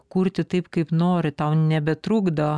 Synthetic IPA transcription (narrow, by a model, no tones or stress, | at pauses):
kuɾʲt̪ʲɪt̪ɐɪpkɐɪpnoːɾʲɪt̪ɐʊnʲɛbʲɛt̪ɾuːɡd̪ɐɐ